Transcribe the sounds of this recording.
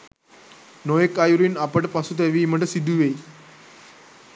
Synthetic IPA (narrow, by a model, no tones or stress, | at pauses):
noekajuɾiːnapəʈpasut̪eʋiːm̤əɳʈ̪əsid̪ʱuʋe